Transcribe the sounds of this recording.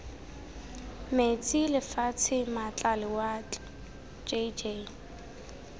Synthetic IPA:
met͡sʼilɪfat͡sʰɪmat͡ɬʼalɪwa | d͡ʒed͡ʒe

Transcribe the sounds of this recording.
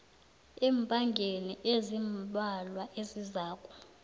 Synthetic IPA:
ɛːmpʼaŋɡʱeniʔezimbalwaʔezizaːkʼu̥

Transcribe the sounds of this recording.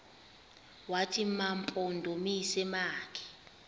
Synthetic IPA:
watʰʼimampʼɔndʱomisɛmaːkʰɛ̥

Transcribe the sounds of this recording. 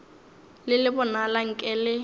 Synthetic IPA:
lɪlɪbʊnalaŋ̩kʼɛlɪ

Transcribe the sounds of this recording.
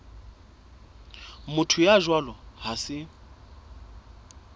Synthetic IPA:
mʊtʰʊjaʒwalɔɦasɪ

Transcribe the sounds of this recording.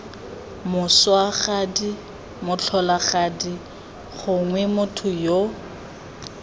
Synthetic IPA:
mʊswaχadi | mʊt͡ɬʰɔlaχadi | χʊŋwɛmʊtʰʊjo

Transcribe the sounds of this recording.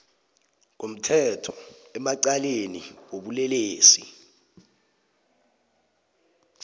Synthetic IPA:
kom̩tʰɛtʰɔ̥ɛmaǀaleniwoɓulɛleːsi

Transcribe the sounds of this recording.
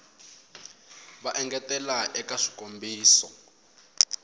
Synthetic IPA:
βaʔɛŋɡɛtɛlaʔɛkaʂi̥kombiːsɔ

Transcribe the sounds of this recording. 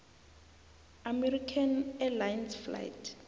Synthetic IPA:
amɛrikʰanɛlajɛnsfla̰jtʰ

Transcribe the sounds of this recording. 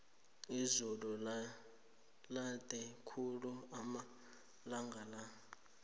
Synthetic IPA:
izulu | lad̥ʱʼɛkʰuluama | laŋɡʱala

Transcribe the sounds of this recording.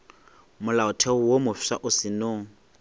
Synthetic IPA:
mʊlaʊtʰɛʊwomʊfsa̰ʔʊsɪnoːŋ̩

